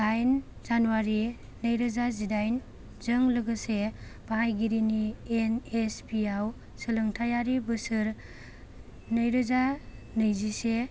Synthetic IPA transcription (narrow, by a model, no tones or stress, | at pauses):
ajnzanuwaɾi | nɯjɾɯzazidajn | zɯŋlɯɡɯseb̥aɦajɡiɾinienespiaw | sɯlɯŋtʰajaɾibɯsɯɾ | nɯjɾɯzanɯjzise